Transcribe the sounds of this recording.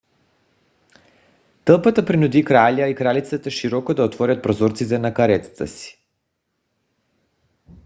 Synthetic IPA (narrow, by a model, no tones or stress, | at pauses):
t̪əlˠpat̪apɾinud̪ikɾaʎaikɾalit̪sɛt̪aʃiɾɔkɔd̪aɔt̪vɔɾʲat̪̚pɾɔzɔɾt̪sit̪ɛnakaɾɛt̪sḁt̪a̰si̥